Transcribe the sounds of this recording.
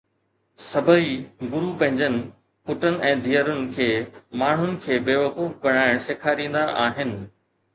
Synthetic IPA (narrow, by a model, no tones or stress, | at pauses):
sɐbʱəiɡʊɾupɐ̃ɦɪ̃ɲd͡ʑənɪ̆ | pʊʈənɪ̆ʔɛ̃ːd̪ʱijəɾʊnɪ̆kʰeːmaːɳ̤ʊnɪ̆kʰeːbeːʋɐkuːfbɐɽ̃aːɪɽ̃seːkʰaːɾĩːn̆d̪aʔaːɦɪnɪ̆